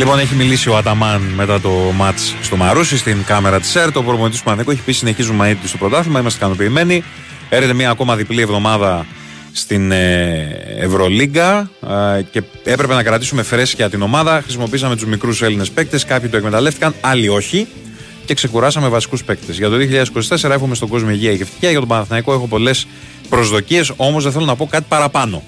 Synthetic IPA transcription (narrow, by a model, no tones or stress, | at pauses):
lipo̞ne̞çimilisio̞ɐt̪ɐmɐnme̞t̪ɐt̪o̞mɐt͡sst̪o̞mɐɾusist̪iŋkɐme̞ɾɐt̪i̥seɾt̪opɾoponit̪isuɐnθikoeçi̥pisine̞çizunmɐnit̪t̪ust̪o̞pɾo̞t̪ɐθimɐimɐst̪kɐno̞piːme̞ni | eɾçet̪e̞mɲiɐːko̞mɐðiplie̞vðo̞mɐðɐ | st̪ine | ḛvɾo̞liɡɐ | ce̞ | e̞pɾe̞pe̞nɐkɾɐt̪isume̞fɾe̞si̥ceɐt̪ino̞mɐðɐxɾisimo̞p̬iisɐme̞t̪uzmikɾuse̞line̞spe̞k̚t̪e̞skɐpçit̪uekme̞t̪ɐle̞ft̪i̥kɐnɐlio̞çi | ce̞kse̞kuɾɐsɐme̞vɐsi̥kuspe̞kt̪e̞zʝɐt̪o̞ðio̞çiʎɐðesi̥ko̞si̥t̪e̞se̞ɾɐexumest̪o̞ɡo̞zmoiʝiɐiʝeft̪i̥çiɐʝɐt̪o̞bɐnθnɐiko̞exo̞po̞le̞s | pɾo̞zðo̞cie̞so̞mozðeθelo̞nɐpo̞kɐt̪i̥pɐɾɐpɐno̞̰